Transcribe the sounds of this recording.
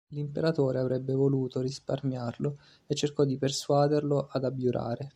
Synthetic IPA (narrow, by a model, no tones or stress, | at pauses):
limpeɾat̪oːɾeavɾɛbːevoluːt̪oɾisparmjarlo | et͡ʃːerkɔd̪ːiperswaːd̪erloʔad̪abjuɾʔa̰ːɾe